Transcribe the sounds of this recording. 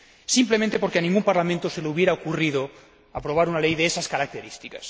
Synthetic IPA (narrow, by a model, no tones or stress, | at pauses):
simplemẽnt̪e̞po̞ɾkeanĩŋɡumpaɾlamẽnt̪oselouβ̞je̞ɾaokurið̞o | apɾo̞β̞aɾunalejðeesaskaɾak̚t̪eɾist̪ikḁs